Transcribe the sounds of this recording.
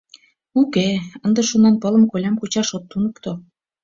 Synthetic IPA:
ukeənd̪ə̆ʃunɑnpɤ̆lə̆mkolʲɑmkut͡ɕɑʃot̪ːunɤ̆kt̪o

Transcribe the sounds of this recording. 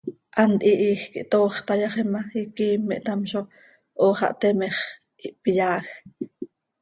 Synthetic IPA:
ʔant̪ʔiʔiːxkiʔt̪oːχt̪ɑjɑχemaikiːmːeʔt̪amʃo | ʔoːχɑ̰ʔt̪emeχ | ʔiʔpijaːx

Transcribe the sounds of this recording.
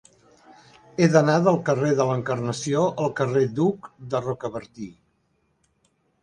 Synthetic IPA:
eðənaðəlˠkəreðələŋkərnəsioʔəlˠkəred̪ukd̪ərɔkəβəɾt̪i

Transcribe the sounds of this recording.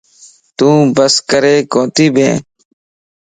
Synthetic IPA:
t̪ũːbəskəɾeːkõːt̪iːbʱḛ̃ː

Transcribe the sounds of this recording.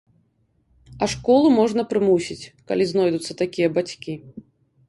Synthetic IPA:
ɐʂkɔlˠumɔʐnɐpɾɨmusʲit͡sʲka̰lʲiznɔjd̪ut̪sːɐt̪akʲijɐbat͡sʲkʲi

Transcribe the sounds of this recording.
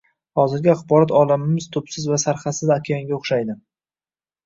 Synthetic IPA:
hɒzɪɾɡʲɪaχbɒɾat̪ɒlamɪmɪzt̪ʰʊpsɪzvasaɾχasɪzakʲʰejaŋɡʲaoχʃajd̪ɪ

